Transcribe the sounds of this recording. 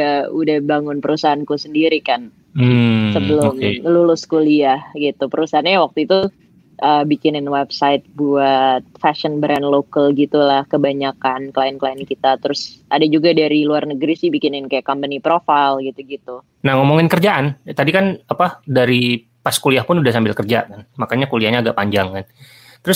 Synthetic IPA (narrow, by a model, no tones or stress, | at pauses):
audahbaŋʊnpəɾusaɦankusəndiɾikan | mm̩səbəlʊmkelulʊskuliahɡit̪upəɾusaɦanɲawak̚t̪uit̪u | ʔəbikɪnɪnwɛbsaɪt̪̚buat̪̚fasənbɾɛnlokalɡit̪ulahkəbaɲakankəlaɪnkəlaɪnkit̪at̪əɾʊsʔadad͡ʒuɡadaɾiluarnəɡɾisɪhbikɪnɪnkajakɔmpənipɾofajlɡit̪uɡit̪u | nahŋɔmoŋɪnkərd͡ʒaʔant̪adikanapadaɾi | paskuliahpʊnudahsambɪlkərd͡ʒa̰kanmakaɲakuliahɲaːɡaʔpaɲd͡ʒaŋkan | t̪əɾʊs